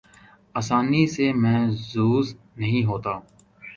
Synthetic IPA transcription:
aːsaːnisemɛ̃ːzuːz | nəɦĩːɦoːt̪aː

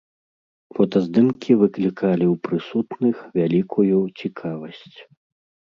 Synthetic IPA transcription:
fɔt̪ɐzd̪ɨmkʲʰivɨklʲikʰalʲiwpɾɨsut̪nɨxvʲalʲikʰujut͡sʲikʰavɐsʲt͡sʲ

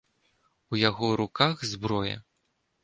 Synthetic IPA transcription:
ujaɣɔɾukaɣzbɾɔjɛ̰

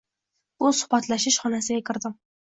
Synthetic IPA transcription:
b̥ʊsʊ̥hbat̪laʃɪʃχɒnasɪɡʲakʲʰɪɾd̪ɪm

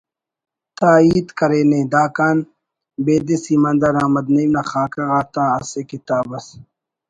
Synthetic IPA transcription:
t̪aːiːt̪kɐɾeːneːd̪aːkaːn | beːd̪isimɐnd̪ɐɾaːmɐd̪nɐimnaxaːkɐɣaːt̪ãːɐsekit̪aːbɐs

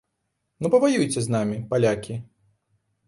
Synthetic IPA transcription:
nupɐvajujt͡sʲɛznamʲipalʲakʲi

